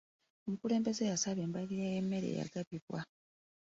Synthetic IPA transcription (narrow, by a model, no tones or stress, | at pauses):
omukule̞ːmbe̞zejasaβembaliɾajemːe̞ɾḛːja̰ɡaβiβwa